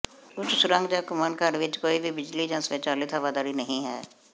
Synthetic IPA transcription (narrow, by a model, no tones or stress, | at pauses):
kʊt͡ʃʰsʊɾə̃ŋɡd͡ʒaːkʊmaːnkaɾʋɪt͡ʃkoːibʱibɪd͡ʒlid͡ʒãːsʋeːt͡ʃaːlit̪ʰəʋaːd̪aːɾinəɦĩɦɛ̰ː